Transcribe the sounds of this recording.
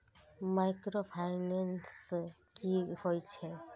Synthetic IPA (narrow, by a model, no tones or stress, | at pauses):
majkɾopʰajnans | kihojt͡ʃʰe